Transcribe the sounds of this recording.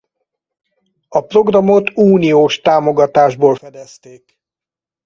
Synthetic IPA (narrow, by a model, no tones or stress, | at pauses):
ɒpro̞ɡrɒmot̪uːnioːʃt̪aːmo̞ɡɒt̪aːʒboːlfɛd̪ɛst̪eːk